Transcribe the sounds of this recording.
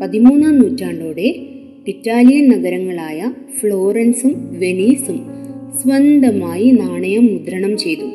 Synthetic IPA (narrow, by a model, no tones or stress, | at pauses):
pɐðimuːnːamnuːtːaːɳɖoːɽe̞ | itːaːlijɐnnɐɡɐɾɐŋːɐɭaːjɐ | fɭo̞ːɾɐnsumʋe̞ɳiːsumsʋɐnd̪ʱɐmaːjinaːɳɐjɐmːud̪ɾɐɳɐmt͡ɕe̞jt̪u